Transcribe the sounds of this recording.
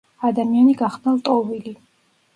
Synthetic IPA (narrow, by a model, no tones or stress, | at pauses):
ad̪amianiɡaχd̪nalt̪ʼɔvili